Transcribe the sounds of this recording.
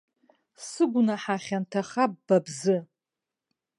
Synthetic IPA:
sɨɡʷnaħaχʲantʰaχab̥̚ːabzɨ

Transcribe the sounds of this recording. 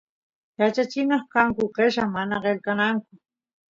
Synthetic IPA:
jat͡ʃat͡ʃɪnɑχkaŋkʊqeʃaŋmanaɢelkanaŋkʊ

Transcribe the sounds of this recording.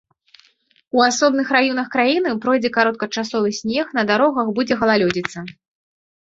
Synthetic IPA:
uasɔbnɨxɾajɔnɐxkɾajinɨpɾɔjd͡zʲɛkaɾɔt̪̚kɐt͡ʂasɔvɨsʲnʲɛxnɐd̪aɾɔɣɐxbud͡zʲɛɣɐlˠalʲɔd͡zʲit̪sːɐ

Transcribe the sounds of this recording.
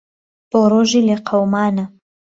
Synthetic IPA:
b̥oɾoːʒileqʰawmaːna

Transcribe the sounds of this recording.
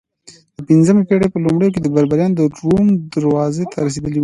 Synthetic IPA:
d̪̥əpinzəmepeɽepəlumɽəjok̬ed̪əbaɾbaɾjɑnd̪əɖɾumd̪aɾwɑzet̪ʰaɾɐs̬ed̪əle

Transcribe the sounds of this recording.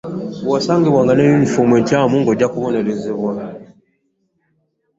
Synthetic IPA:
wɔsaŋɡibwaŋɡanɛjun̩fomwɛtjamuŋɡɔd͡ʒakuβɔnɛlizeβwa

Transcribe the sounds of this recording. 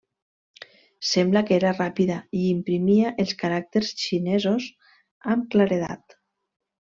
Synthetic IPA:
sɛmblakeɾarapiðaiimpɾimiaʔelˠskaɾak̚t̪eɾsʃinezos | amklaɾeða̰t̪

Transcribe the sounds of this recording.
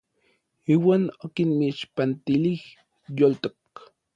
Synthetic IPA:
iːwaːnokinmiʃpant̪ilih | jolt̪ok

